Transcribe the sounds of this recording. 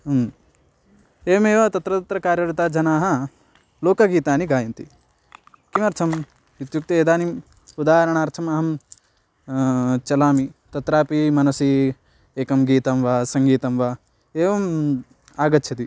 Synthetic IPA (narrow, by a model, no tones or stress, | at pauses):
m | eːʋɐmeːʋat̪ɐt̪ɾɐt̪ɐt̪ɾɐkaːɾjɐɾɐt̪aːd͡ʒɐnaːɦɐ | loːkɐɡiːt̪aːniɡaːjɐnt̪i | kimɐɾt̪ʰɐm | ut̪juk̚t̪ɐeːd̪aːnim | ud̪aːɦɐɾɐɳ̃aːɾt̪ʰɐmɐɦɐm | t͡ʃɐlaːmit̪ɐt̪ɾaːpimɐnɐsi | eːkɐmɡiːt̪ɐmʋɐsɐŋɡiːt̪ɐmʋɐ | eːʋɐm | aːɡɐt̪ːt͡ʃʰɐt̪i